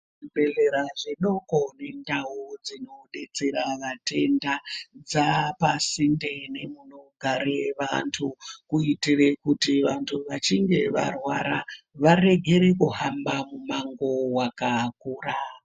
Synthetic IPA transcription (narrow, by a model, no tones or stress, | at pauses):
ʐibʱe̞ɮeɾaʐinokone̞ndaud͡zino̞ɗet͡se̞ɾaʋate̞ndad͡zapasinde̞ne̞muno̞ɡʱaɾeʋa̰ntʰukuitirekutiʋantʰuʋat͡ʃiŋɡe̞ʋa̰rwaɾa | ʋare̞ɡʱe̞ɾe̞kuɦambamumaŋɡo̞wakakuːra